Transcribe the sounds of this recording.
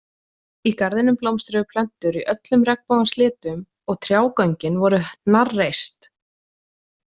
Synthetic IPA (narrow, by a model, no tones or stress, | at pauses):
ikaɾðɪnʏmplowmst̪ɾɪɣpʰlœn̥t̪ʏɾiʔœt̪lʏmrɛkpoðast̪lɪːt̪ʏm | ɔɣt̪ʰɾjaːwkœɲcɪnvɔɾʏnarːejst̪